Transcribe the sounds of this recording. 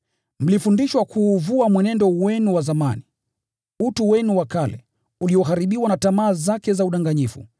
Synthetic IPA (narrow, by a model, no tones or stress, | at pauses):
m̩lifundiʃwakʰuːvuamwɛnɛndɔwɛnuwazamani | utuwɛnuwakalɛ | uliɔɦaɾiɓiwanatamaːzakɛzauɗaŋɡaɲifṵ